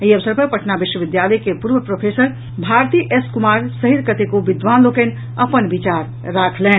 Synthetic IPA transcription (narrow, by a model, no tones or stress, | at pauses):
iəʋəsəɾpəpəʈʰnabiʃwəʋid̪jaləjkepuɾʋəpɾopʰesəɾ | bʱaɾt̪iʔeskumaɾsəɦiɾkət̪ekobid̪ʋanlokɛn | əpənbit͡ʃaɾː | akʰlɛ̃